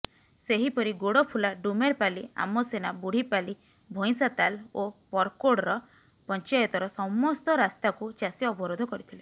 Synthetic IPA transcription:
seɦipɔɾiɡoɽɔpʰulaɖumeɾpalia̰mɔsenabuɽ̤ipali | bʱoj̃sat̪alopɔɾkoɽɔɾɔ | pɔnt͡ʃajɔt̪ɔɾɔsɔmɔst̪ɔɾast̪akut͡ʃasjɔɔbɔɾod̪ʱɔkɔɾit̪ʰile

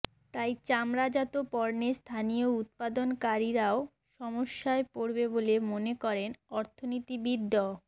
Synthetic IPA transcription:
t̪ajt͡ɕamɾad͡ʑat̪opɔɾnest̪ʰanijout̪̚pad̪onkaɾiɾao | ʃɔmoʃːaepoɾbebolemonekɔɾenɔɾt̪ʰonit̪ibid̪ːɔ

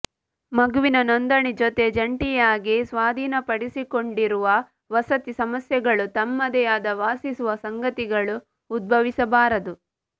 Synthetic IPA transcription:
mɐɡuʋinɐnɐnd̪ɐɳid͡ʒot̪e̞d͡ʒɐɳʈijaːɡisʋaːd̪ʱiːnɐpɐɽisikoɳɖiɾuʋɐ | ʋɐsɐt̪isɐmɐsjɐɡɐɭut̪ɐmːɐd̪ɐjaːd̪ɐʋaːsisuʋɐsɐŋɡɐt̪iɡɐɭuː | d̪̚bʱɐʋisɐbaːɾɐd̪u

